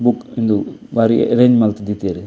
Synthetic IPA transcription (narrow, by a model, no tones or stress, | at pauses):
bukind̪ubaːɾḭɾeːɲd͡ʒmɐlt̪id̪it̪jaɾi